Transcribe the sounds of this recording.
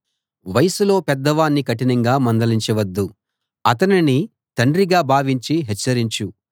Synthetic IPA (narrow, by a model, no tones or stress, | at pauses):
ʋɐjɐsulo̞ːpɛd̪ːɐʋaːnːikɐʈinɐŋɡaːmɐnd̪ɐliɲt͡ʃɐʋɐd̪ːu | ɐt̪ɐnini | t̪ɐɳɖɾiɡaːbʱaːʋiɲt͡ʃiɦɛt͡ʃːɐɾiɲt͡ʃu